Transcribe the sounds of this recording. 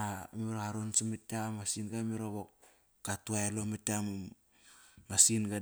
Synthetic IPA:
amiɾaaɾonsimitamasinɡamiɾoβok | katuaelomitam | masinɡa

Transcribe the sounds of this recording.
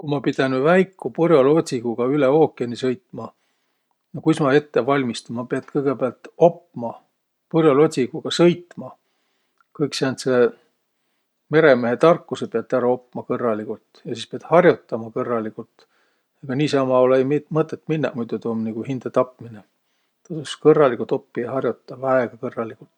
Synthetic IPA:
kumɑpid̪̥ʲenvæjkːupurjolo̞t̪ʲsiɡ̥uɡ̥ɑyle̞o̞ːkˑienisɤjt̪mɑ | jɑkujsmɑe̞t̪ːevɑlʲmist̪ɑmɑpeɑd̪kɤjɡ̥e̞beɑlt̪o̞pːmɑ | purjolo̞t̪ʲsiɡ̥uɡ̥ɑsɤjt̪mɑ | kɤjksæːnt̪se̞ | me̞ɾe̞meɦe̞t̪ɑrkːusepeɑt̪ːˑæɾɑo̞pːˑmɑkɤrːɑlikult̪jɑsiːspeɑd̪̥hɑrjot̪ːɑmɑkɤrːɑlikult̪ | eɡ̥ɑniːsɑmɑolejmmɤt̪ːˑet̪ːˑminːɑ̰ʔmujd̪et̪oːmnikuhind̪̥et̪ɑpːmine | t̪ɑsoskɤrːɑlikult̪o̞pːiɑhɑrjot̪ːɑvæeɡ̥ɑkɤrːɑlikult̪ˑ

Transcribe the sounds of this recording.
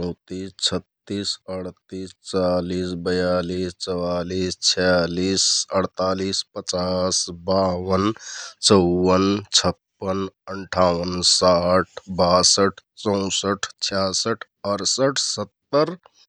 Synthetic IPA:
ɔw̃t̪iːst͡ʃʰət̪ːiːsəɽt̪iːst͡ʃaːliːsbəjaːliːst͡ʃəwaːliːst͡ʃʰjaliːsəɽt̪aːliːspət͡ʃaːsbaːwənt͡ʃəwːənt͡ʃʰəpːənəɳʈʰaːwənsaʈʰbasəʈʰt͡ʃə̃w̃səʈʰt͡ʃʰjaːsəʈʰ | əɾsəʈʰsət̪ːəɾ

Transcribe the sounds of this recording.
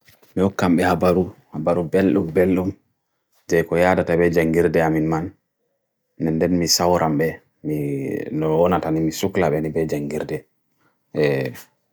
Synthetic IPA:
mihɔkːamɓɛhabaɾu | habaɾubelɗumbelɗum | d͡ʒɛkɔjadatabɛd͡ʒaŋɡiɾdɛaminmanː | ɛndɛnmisawɾʔamɓɛ | minɔwɔnatanimisuklaɓɛnibɛd͡ʒaŋɡiɾdɛ | ɛ

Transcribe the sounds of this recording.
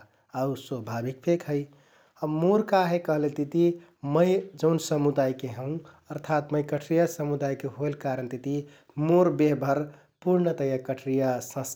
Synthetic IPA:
auswəbʱabik̚pʰekʰɦəɪ | əmoɾkaɦekəɦlet̪it̪i | məjd͡ʒəʊnsəmud̪ajkeɦə̃ũəɾt̪ʰat̪məjkəʈʰɾijasəmud̪ajkeɦoelkaɾənt̪it̪i | moɾbeɦbʱəɾ | puɾnət̪əjakəʈʰɾijasə̃s

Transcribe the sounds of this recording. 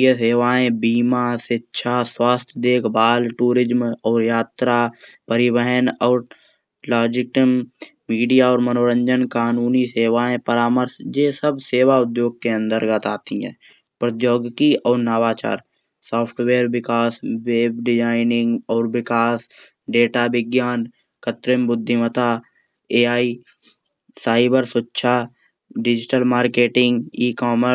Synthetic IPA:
eseːʋaːẽbiːmasetːʃʰaswaːst̪ʰjd̪eːkʰbaːlʈuːɾɪd͡ʒmɔːɾjaːt̪ɾapəɾɪwəɦənɔːɾ | laːd͡ʒɪʈəmmiːɖijaɔːɾmənoːɾə̃ɲd͡ʒənkaːnuːniseːʋaːẽpəɾaːməɾsd͡ʒeːsəbseːʋaʊd̪joːɡ̚keə̃nd̪əɾɡət̪aːt̪iɦɛ̰̃ː | pɾət̪joːɡkiʔɔːɾnəʋaːt͡ʃa̰ːɾ | sɔːpʰʈʰweːɾbɪkaːsweːbɖɪd͡ʒaːɪnɪ̃ŋɡɔːɾbɪkaːs | ɖeːʈabɪɡjaːn | kət̪ɾɪmbʊd̪ʱːɪmət̪a | eːaːi | saːɪbəɾsʊtːʃʰa | ɖɪd͡ʒɪʈəlmaːɾkeːʈɪ̃ŋɡiːkɔːmə

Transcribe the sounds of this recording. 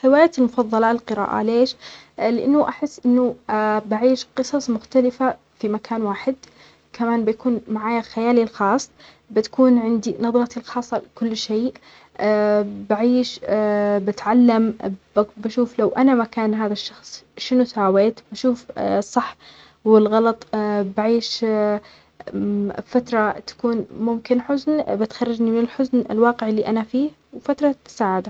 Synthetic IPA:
ħɪwaːjaːt̪ɪlmʊfɑðˤːɑlɑːlqɨɾa̰ːʔa̰leːʃ | lɪʔɪnːʊʔaħɪsːʔɪnːʊbaʕiːʃqɨsˤɑsˤmʊxt̪alɪfa | fimakʰaːnwaːħɪd̪ | kʰamaːnbɪjakuːnmaʕaːjaxajaːlilxɑːsˤː | bɪt̪ḁkuːnʕɪnd̪inɑðˤɾɑt̪ilxɑːsˤːɑlɪkʊlːʃeːʔ | baʕiːʃ | bɪt̪ʕalːambbaʃuːflawʔanamakaːnɦaːðaʃːɑxsˤʃɪnʊsaːweːt̪baʃuːfsˤːɑħ | wɪlɣɑlɑt̪ˤbaʕiːʃ | fat̪ɾˤɑt̪ḁkuːnmʊmkɪnħʊznbɪt̪xɑrˤːɑd͡ʒnimɪnɪlħʊznɪ̰lwɑːqɪʕɪlːiʔanafiːh | wfat̪ɾˤɑt̪ɪ̥saːʕad̪a

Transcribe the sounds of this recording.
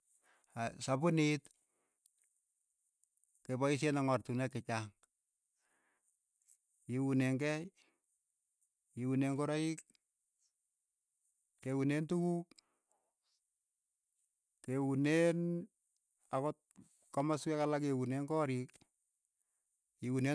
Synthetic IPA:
asapʊnit | kepɔis̬jenaŋɔrtunɛkɪt͡ʃaŋ | kiwuneŋkɛj | kiwunenkɔɾɔik | kːewunentukuk | kewunen | akɔt̚ | kɔmaswɛkalak̬ewuneŋkɔːɾik | kiwune

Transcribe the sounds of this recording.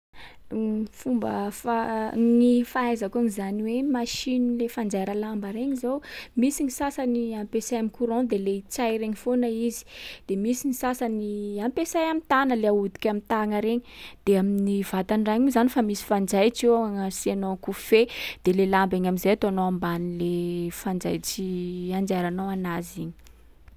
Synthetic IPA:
fumbə̰fanifaajzakuaŋizaniwemaʃinilefand͡zaɾəlambəɾeɲizowmisiŋisasəniampesajamikʰuɾõd̪elet͡sajɾeɲifonəizi̥d̪̥emisiŋisasaniampesajamit̪anəleaud̪i̥kʲamit̪aŋəɾeɲid̪̥eaminiv̥at̪anɖ͡ʐaɲuzanifamisi̥fand͡zajt͡ʃeaŋəsianokufed̪̥elelambeɲamizejat̪oanoambanilefand͡zajt͡ʃiand͡ʒaɾanowanaziɲi̥

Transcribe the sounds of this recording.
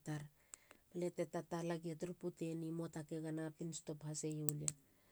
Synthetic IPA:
taɾ | alete̞tatalaɡietɾuputenimo̞takeɡanapinsto̞phase̞julia

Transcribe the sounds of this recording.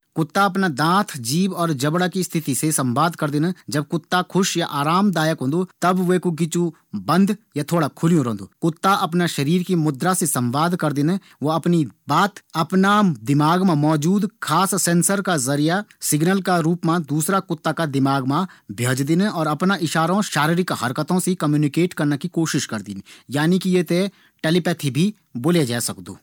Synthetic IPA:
kʊt̪ːaɐp̬nad̪ãːt̪ʰd͡ʒiːbɔːɾd͡ʒɐbɽakist̪ʰɪt̪isesɐ̃mbaːd̪kɐɾd̪ɪned͡ʒɐb̚kʊt̪ːakʰʊʃjaʔaːɾaːmd̪aːjəkɦõːnd̪ot̪ɐbʋekok̬ɪt͡ʃu | bɐ̃nd̪jat̪ʰoːɽakʰʊlijũɾɐɦnd̪oːkʊt̪ːaʔɐpnaʃɐɾiːɾkimʊd̪ɾasesɐ̃mbaːd̪kɐɾd̪ɪnẽ | ʋoɐpnibaːt̪ɐpnad̪ɪmaːɡmãmɔːd͡ʒuːd̪kʰaːsːɛ̃nsəɾkazɐɾijasɪɡnəlkaɾuːpmãd̪uːsɾakʊt̪ːakad̪ɪmaːɡmãbʱjoːd͡ʒd̪ɪneɔːɾɐpnaʔɪʃaːɾõʃaːɾiɾikaɦɐɾkət̪õsekɐmjuːnɪkeːʈkɐɾnakikoːʃɪʃkɐɾd̪inejaːnikijet̪e | ʈelɪpɛt̪ʰibʱi | boːled͡ʒɛːsɐkd̪ṵː

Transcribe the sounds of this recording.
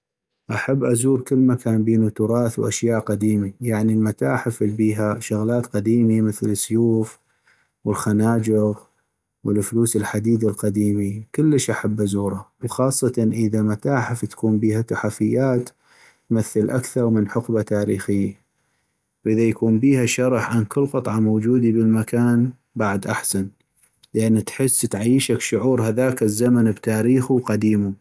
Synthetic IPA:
ʔaħabːʔazuːɾkəlːmakaːnbeːnut̪ʊɾˤɑːθwʔa̰ʃjaːʔqad̪iːmajaʕnilmat̪aːħɪflbiːɦaʃʊɣlaːt̪qad̪iːmiməθləsːʊjuːf | wəlxanaːd͡ʒɪɣ | wəlfluːsɪlħad̪iːd̪alqad̪iːmikəlːəʃʔaħabːʔazuːɾawxɑːsˤːɑt̪ɑnʔəðamat̪aːħɪft̪ḁkuːmbiːhat̪ʊħafɪjːaːt̪ː | maθːəlʔakθɑɾˤmənħʊqbat̪aːɾiːxɪjːa | wʔəðajakuːmbiːhaʃɑɾˤɑħʕankɪlːqɨt̪ˤʕɑmowd͡ʒuːd̪ibəlmakaːn | baʕd̪ʔaħsan | ləʔanːit̪ħɪsːt̪ʕajːʃakʃʊʕuːɾhaðaːkɪzːamanbt̪aːɾiːxuwqad̪iːmu

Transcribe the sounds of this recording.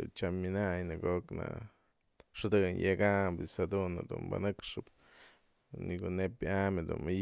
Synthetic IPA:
t͡ʃaminajnaɡokna̰ | ʂd̪ɨnjeɡabisad̪unad̪umba̰nɨkʂɨb | niɡunep̚jamed̪ṵna

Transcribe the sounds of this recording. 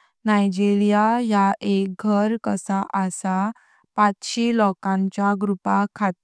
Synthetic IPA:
najd͡ʑilijajaek̚ɡʱəɾkəsaʔəsa | pãt͡sɕelɔkãɲt͡ɕaɡɾupakʰat̪

